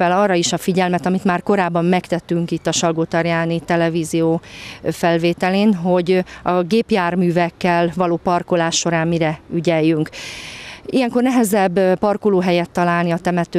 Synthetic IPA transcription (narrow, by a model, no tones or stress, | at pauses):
ɛlɒːrːɒiʃɒfiɟɛlmɛt̪ɒmit̪maːrko̞ɾaːbːɒmːɛkt̪ɛt̪ːyŋkit̪ːɒʃɒlɡoːt̪ɒɾjaːnit̪ɛlɛvizijoːfɛlveːt̪ɛleːnɦo̞ɟɒɡeːpjaːrmyːvɛkːɛlvɒloːpɒrko̞laːʃːo̞ɾaːmmiɾɛyɟɛjːyŋk | ijɛŋko̞rnɛɦɛzɛbːpɒrkoloːɦɛjɛt̪ːɒlaːlniɒt̪ɛmɛt̪ø